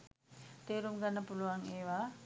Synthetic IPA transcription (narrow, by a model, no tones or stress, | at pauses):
t̪eɾumɡanapuluaŋeʋa